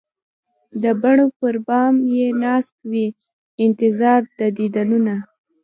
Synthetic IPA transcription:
d̪əbaɳopəɾbɑmjenɑst̪wi | ɪnt̪ɪzɑɾd̪əd̪id̪anuna

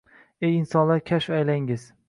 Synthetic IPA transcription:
ejɪnsɒnlaɾkʲʰaʃvajlaŋɪz̥

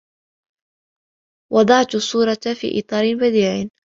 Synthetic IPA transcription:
wɑd̪ˤɑʕt̪sˤːuːɾˤɑfḭːʔɨ̰t̪ˤɑːɾɪnbad̪iːʕ

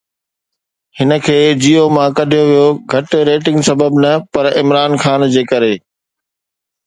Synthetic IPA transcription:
hɪnə̆kʰeːd͡ʑiːomãkɐɖʱijoʋijoɡʱɐʈɾeːʈɪ̃ŋɡsɐbəbnɐpɐɾɪmɾaːnxaːnd͡ʑeːkɐɾeː

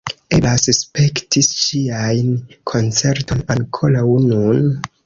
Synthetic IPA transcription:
elasspe̞ktist͡ʃiajnkʰo̞nt͡se̞ɾtʰo̞naŋkʰo̞ɾawnun

